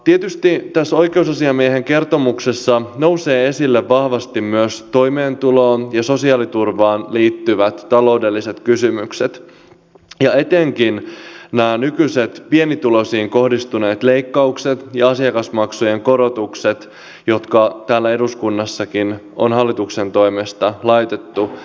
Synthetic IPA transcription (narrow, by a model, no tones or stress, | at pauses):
t̪iet̪yst̪it̪æsːo̞jkeusɑsiɑmieɦeŋke̞rt̪o̞muksesːɑno̞wse̞ːe̞silːeʋːɑhʋɑst̪immyøst̪o̞jmeːnt̪uloːnjɑso̞siɑːlit̪urʋɑːnliːt̪ːyʋæt̪ːɑloude̞lːiset̪kysymykset̪ | jɑe̞t̪eŋkinnæːnykyse̞t̪pie̞nit̪ulo̞siːŋko̞hdist̪une̞ːt̪le̞jkːɑukset̪jɑɑsiɑkɑsmɑksujeŋko̞ɾot̪ukset̪ | jo̞t̪kɑt̪æːlːæe̞duskunːɑsːɑkin | o̰nɦɑlːit̪ukse̞nt̪o̞jmest̪ɑlɑjt̪e̞t̪ːu